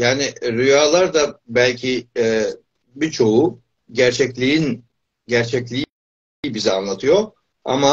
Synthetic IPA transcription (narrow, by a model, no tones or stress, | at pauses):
jaːnɪɾyjaːlˠaɾd̪abælʲcʰiɛ | bit͡ʃʰo̞u | ɟæɾt͡ʃʰɛclʲiin | ɟæɾt͡ʃʰɛclʲi | bizianlˠat̪ʰɯjo̞ | a̰ma